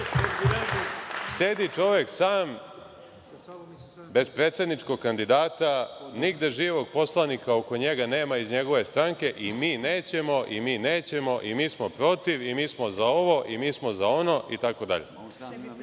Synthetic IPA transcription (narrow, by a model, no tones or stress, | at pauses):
se̞d̪it͡ʂo̞ʋe̞ksaːm | be̞zpɾet̪se̞d̪nit͡ʂko̞ɡ̚kːand̪id̪aːt̪aniɡd̪e̞ʒiːʋo̞ɡ̚po̞slˠanikao̞ko̞ɲe̞ɡane̞ːmaizɲe̞ɡo̞ʋest̪ɾaŋke̞ʔimiːneːt͡ɕe̞mo̞ʔimiːne̞ːt͡ɕe̞mo̞ʔimiːsmo̞pɾo̞t̪iʋimiːsmo̞zao̞ʋo̞ʔimiːsmo̞zao̞no̞ʔit̪ako̞d̪a̰ʎḛ